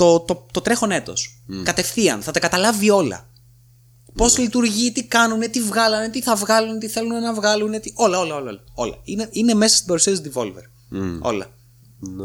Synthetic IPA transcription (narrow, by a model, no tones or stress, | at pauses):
t̪ot̪ot̪o̞t̪ɾe̞xo̞ne̞t̪o̞̰skɐt̪e̞fθiɐ̰nθɐt̪ɐkɐt̪ɐlɐvio̞lɐ̰ | po̞zlit̪uɾʝit̪ikɐnunet̪ivɣɐlɐnet̪iθɐvɣɐlunet̪iθe̞lunenɐvɣɐlunet̪io̞lɐo̞lɐoo̞lɐ̰ineine̞me̞sɐst̪ibɐɾusiɐtizd̪ivo̞̰lvḛɾ | o̞̰lɐ̰